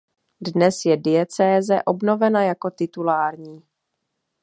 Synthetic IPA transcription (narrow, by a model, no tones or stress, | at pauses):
dnɛsjɛdɪjɛt͡sɛːzɛ̰ʔo̞bno̞vɛnajako̞t̪ɪt̪ulaːɾɲiː